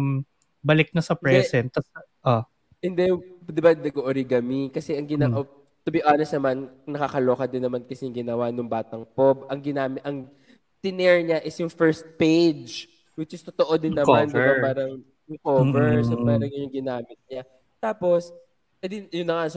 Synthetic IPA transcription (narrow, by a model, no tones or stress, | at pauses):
m | bɐlɪk̚nɐsɐpɪɹɛɛsɛnt̪ːɐs | ʔo | hɪnd̪ɛjd̪ɪbanɐɡoʔoɾiɡɐmikɐsɛʔɐŋɡɪnaʔo | t̪ʊbɪʔaːnɛst̪nɐmannɐkakɐloːkɐd̪ɪnːɐmankɐsɛjʊŋɡɪnɐwanʊŋbaːt̪ɐŋpobʔɐŋɡɪnaːmɪʔɐŋ | t̪ɪnɛɹɲaʔɪsjʊŋfɛɹst̪̚pejd͡ʒ | wɪt͡ʃɪst̪ot̪oʔod̪ɪnːɐmandɪbapaːɾɐŋ | ʊkoːvɛɹsɐpaːɾɐŋɐjʊŋɡɪnaːmɪt̪̚ɲa | t̪aːpo̞s | ɛd̪ɪnjʊnːɐŋas